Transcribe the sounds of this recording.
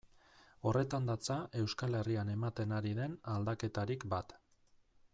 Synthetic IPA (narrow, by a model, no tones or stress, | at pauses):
o̞re̞t̪and̪at͡saʔe̞wskale̞riane̞mat̪e̞naɾiðe̞nald̪ake̞t̪aɾikbat̪